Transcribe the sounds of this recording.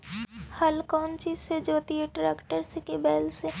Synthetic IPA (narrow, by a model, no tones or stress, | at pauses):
hɐlkɔːnt͡ʃiːzsed͡ʒoːt̪iɦeʈɾeːkʈəɾsekibɛːlse